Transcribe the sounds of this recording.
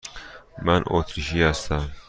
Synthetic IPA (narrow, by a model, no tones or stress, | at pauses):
manʔo̰ːt̪ʰɾiʃiːhast̪am